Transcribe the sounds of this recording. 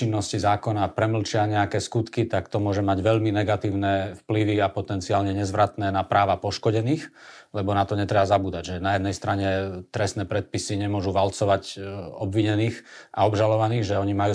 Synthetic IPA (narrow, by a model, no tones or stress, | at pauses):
t͡ʃinːɔscizaːkɔnapɾɛml̩t͡ʃɪaɲɛakɛːskut̪kit̪akt̪ɔmʊɔʒɛmaɟʋɛʎminɛɡat̪iːʊnɛfpliʋiapɔt̪ɛnt͡siaːlɲɛɲɛzʋɾat̪nɛːnapɾaːʋapɔʃkɔɟɛniːx | lɛbɔnat̪ɔɲɛt̪ɾɛbazabuːd̪aɟʒɛnajɛd̪nɛjst̪ɾaɲɛt̪ɾɛst̪nɛpɾɛt̪̚pisiɲɛmʊɔʒuʋalt͡sɔʋacɔbʋiɲɛniːxʔa̰ɔbʒalɔʋaniːɣʒɛɔɲimajuː